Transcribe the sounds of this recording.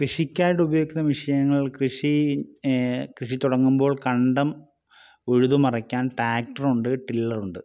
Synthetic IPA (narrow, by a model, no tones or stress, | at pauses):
krɨʂikʲːaːjiʈːubɐjoikːnːɐʋiʂɐjɐŋːɐɭkrɨʂi | krɨʂit̪uɽɐŋːumbo̞ːɭkɐɳɖɐm | eɻuðumɐrɐkʲːaːnʈaːk̚ʈɐruɳɖɨʈilːɐruɳɖɨ